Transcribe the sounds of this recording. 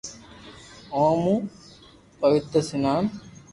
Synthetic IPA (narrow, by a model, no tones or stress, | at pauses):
oːmu | pɐʋɪt̪ɾəsinaːm